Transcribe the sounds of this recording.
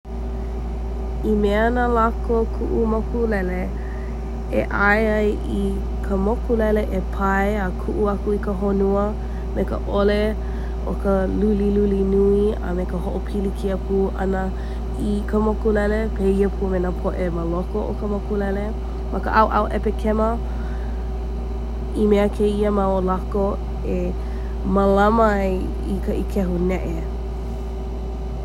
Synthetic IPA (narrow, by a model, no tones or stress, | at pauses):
imeanalakokʰuʔumokulɛle | ḛʔajajʔi | kʰəmokulɛleʔepʰajakʰuʔuakuikəɦonuə | mekə̰ʔole | ʔo̰kəlulilulinuiə̰mekəɦoʔopʰilikʰiəpʰuːʔɐ̰nə | ikʰəmokulɛlepʰeːiəpʰumenapʰoʔeməlokoʔo̰kəmokulɛle | mʔakəʔawʔa̰wʔɛpekʰɛmə | imeəkʰeiəmaolako | e | məlamə | ikʰəʔikʰɛɦunɛʔe